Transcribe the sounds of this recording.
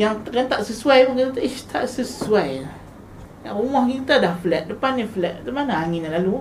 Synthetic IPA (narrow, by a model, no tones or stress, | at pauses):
jaŋkant̪aʔsəsuajpukit̪at̪aʔist̪ʰaʔsəsuaj | jaʔrumɔhkit̪adahflɛt̪̚dəpanaflɛt̪̚t̪əmanaaŋinalalu